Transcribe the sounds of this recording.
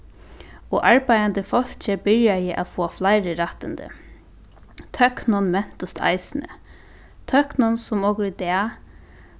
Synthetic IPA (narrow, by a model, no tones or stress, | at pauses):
ɔʔaɹpajant̪əfɔl̥t͡ʃəbɪɹjajɪʔa̰foːaflajɾəɾaht̪ɪnd̪ə̰ | t̪ʰœknʊnmɛn̥t̪ʊst̪ʰa̰jsɪnə̰ | t̪ʰœknʊnsʊmɔkɾid̪ɛː